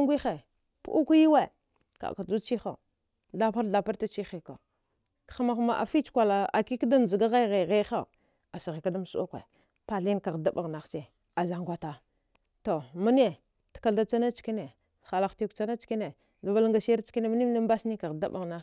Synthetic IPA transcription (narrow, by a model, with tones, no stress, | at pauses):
ŋɡʷi˦xe˨ | pṵ˦u˦ku˦ji˦we˨ | ka̰˨ka˨d͡ʒu˦t͡ʃi˦xa̰˨ | ɮa˦pa˦ɾɬa˨pa˦ɾta˦t͡ʃi˦xe˨ka˨ | kḁ˨xma˨xma˨ʔa̰˨fi˦t͡ʃkʷa˨la˨a̰˨ki˦kda˦n˨zi˨ɡa˦ɣa˦ɣe˨ɣe˦xa˦˨ | a˨sa˨ɣi˨ka˦da˦m˨su˦a˦kʷḛ˨ | pa˨ɬi˦n˦ka˨ɣda˦ba˨ɣna˨xse˨ | a˨za˨ŋɡʷa˨ta˨ | to˨mu˦n˦e˦ | tḁ˨ka˨da˦t͡sa˦na˦t͡ʃki˦ne˨ | xa˨la˨xti˦kt͡ʃa˦na˦t͡ʃki˦ne˨ | la˨va˦lŋɡa˨si˦ɾt͡ʃki˦ne˦ma˦ni˦m˦na˦m˦ba˦sni˦ka˨ɣda̰˦ba˨ɣna˦